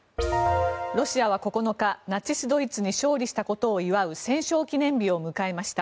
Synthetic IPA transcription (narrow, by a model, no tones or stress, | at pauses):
ɾo̞ɕiaβ̞ako̞ko̞no̞kanat͡ɕisɨd̪o̞it͡sɨɲ̟iɕo̞ːɾʲiɕi̥t̪ako̞t̪o̞ːiβaɯ̟sẽ̞ɰ̃ɕo̞ːkʲinẽ̞mbʲio̞mɯ̟kae̞maɕi̥t̪a